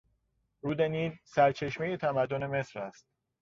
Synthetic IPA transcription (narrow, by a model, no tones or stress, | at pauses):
ɾuːd̪eniːlsæɾt͡ʃʰe̞ʃme̞je̞t̪ʰæmæd̪ːone̞me̞sɾæst̪̚